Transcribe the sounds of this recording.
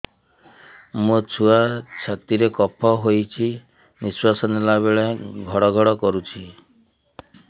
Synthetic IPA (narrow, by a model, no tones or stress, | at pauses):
mũt͡ʃʰuat͡ʃʰat̪iɾekɔpʰɔɦojt͡ʃʰi | miswasɔnelaβeɭeɡʱɔɽɔɡʱɔɽɔkɔɾut͡ʃʰi